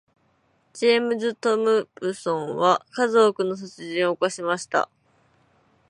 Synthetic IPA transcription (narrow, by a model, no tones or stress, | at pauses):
d͡ʑimɯ̟zɨt̪o̞mɯ̟bɯsõ̞ɰ̃βakazo̞kɯ̟no̞s̬ot͡sɨʑĩɰ̃oːkaɕimaɕi̥t̪a̰